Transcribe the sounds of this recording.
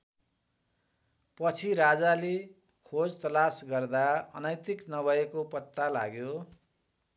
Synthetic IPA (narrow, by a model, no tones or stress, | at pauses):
pʌt͡sʰiɾad͡zale | kʰod͡zt̪ʌlasɡʌrd̪aʌ̰nʌjt̪iknʌbʱʌekopʌt̪ːala̰ɡjo